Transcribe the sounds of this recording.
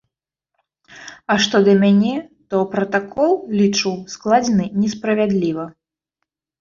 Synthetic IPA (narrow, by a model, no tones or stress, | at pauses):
ɐʂt̪ɔd̪ɐmʲanʲɛt̪ɔpɾɐt̪akʰɔlˠlʲit͡ʂɨwsklˠad͡zʲɛnɨnʲɛspɾɐvʲad̪lʲivɐ